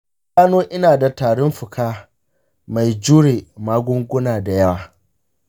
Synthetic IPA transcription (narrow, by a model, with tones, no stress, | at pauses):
kaː˦noː˦ʔɪ˦naː˨da˨taː˨ɽʊ˦mɸʊ˨kʰaː˦ | ma˨jd͡ʒuː˦ɽeː˨maː˦ɡʷʊ˦ŋɡʷʊ˦naː˨da˨jɐ˦waː˨